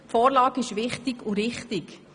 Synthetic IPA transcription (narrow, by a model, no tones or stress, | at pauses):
fɔːɾlɑːkɪʃʋɪχtɪkʊɾɪχtɪk